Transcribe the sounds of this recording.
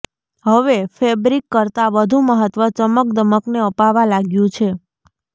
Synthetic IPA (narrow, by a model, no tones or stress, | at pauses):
ɦəʋefʰebɾikːəɾt̪aʋəd̪ʱũməɦət̪ʋət͡ʃəmək̚d̪əməkneəpaʋalaɡjũt͡ʃʰe